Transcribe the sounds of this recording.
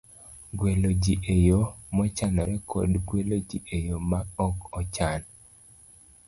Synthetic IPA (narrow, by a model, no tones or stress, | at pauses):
ɡwelod͡ʒiʔejomɔt͡ʃanɔɾɛkʰo̰dɡwelod͡ʒiʔejomaɔkɔt͡ʃan